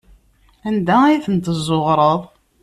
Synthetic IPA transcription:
ænd̪ææjθənt̪əzˤːoʁɾˤəðˤ

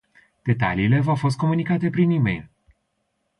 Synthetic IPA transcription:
d̪̥e̞t̪a̰liːle̞vawfo̞s̬t̪ko̞munikat̪e̞pɾinimḛjl

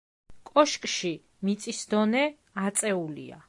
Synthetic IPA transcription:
kʼɔʃkʼʃi | mit̪sʼisd̪ɔnɛ | at̪sʼɛulḭa̰

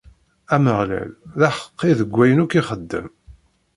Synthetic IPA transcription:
æməʁlæ̰lðæħə̥qːiðəɡʷːæjənukːiχəd̪ːə̰m

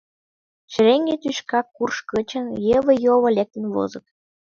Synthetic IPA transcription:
ʃəɾeŋɡet̪yʃkɑkːurʃkə̆t͡ɕə̆njəβə̆joβə̆lʲek̚t̪ə̆nβo̰zɤ̆t̪̚

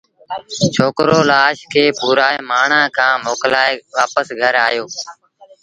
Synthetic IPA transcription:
t͡ʃʰoːkɾoːlaːʃkʰeːpuːɾaːemaːɳ̤ãːkʰãːmoːklaːeʋaːpəsɡʱəɾaːjoː

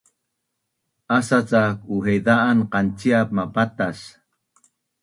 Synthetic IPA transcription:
asat͡sakuɦejd̪aʔːnqant͡siap̚mapat̪as

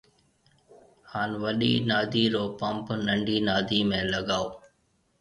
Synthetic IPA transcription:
haːnʋəɗḭːnaːd̪ʱiːɾoːpəmpnəɳɖʱiːnaːd̪ʱiːmẽːləɠaːoː

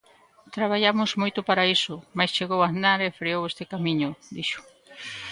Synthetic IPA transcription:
t̪ɾaβ̞aʎamʊzmojt̪ʊpaɾaisʊmajst͡ʃeɣowand̪aɾefɾiowest̪ɪkamĩɲʊd̪iʃʊ̥

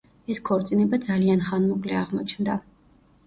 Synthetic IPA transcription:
ɛskʰɔɾt̪sʼinɛbad̪zalianχanmɔkʼlɛaʁmɔt͡ʃʰnd̪a

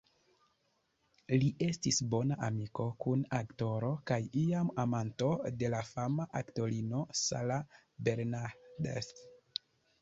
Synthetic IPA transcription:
liʔe̞stisbo̞naʔamiko̞kunakto̞ɾo̞kajiamamanto̞de̞lafamaʔakto̞ɾino̞sa̰la | be̞ɾnadḛs

